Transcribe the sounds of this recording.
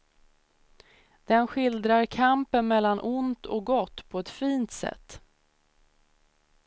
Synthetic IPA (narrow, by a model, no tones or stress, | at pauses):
d̪̥ɛnɧɪld̪ɾaɾkʰampənmɛlːanʔʊnt̪ʰɔk̚ɡɔt̪ːpʰɔɛt̪fiːnt̪sɛ̰t̪ː